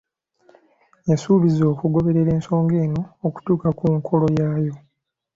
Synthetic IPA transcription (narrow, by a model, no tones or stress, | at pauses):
jasuːβizo̞ːkuɡo̞βe̞ɾe̞ɾe̞ːnso̞ːŋɡe̞ːno̞ːku̥tuːkakuŋkʰo̞lo̞jaːjo̞